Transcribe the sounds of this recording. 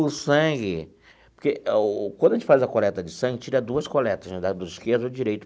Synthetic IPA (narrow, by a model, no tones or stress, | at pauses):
ʊsɐ̃ɡɪ | poɾkeʔkwɐ̃d̪ʊɐʒẽt͡ʃɪfazɐkolɛt̪ɐd͡ʒɪsɐ̃ɡɪt͡ʃiɾɐd̪uɐskolɛt̪ɐznɛd̪ɐd̪ʊɪskeɾd̪d͡ʒiɾejt̪ʊ̥